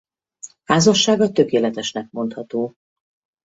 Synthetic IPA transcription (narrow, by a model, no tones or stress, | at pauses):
haːzɒʃːaːɡɒt̪ø̞keːlɛt̪ɛʃnɛk̚mo̞nt̪hɒt̪oː